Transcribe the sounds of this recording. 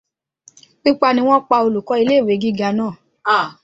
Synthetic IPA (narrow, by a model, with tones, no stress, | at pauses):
k͡pi˦k͡pa˧nĩ˧w̃ɔ̃˦k͡pa˧o˧lu˨kɔ˨˧˦i˧le˦˨we˨˦ɡi˦ɡa˧nãː˦˨˦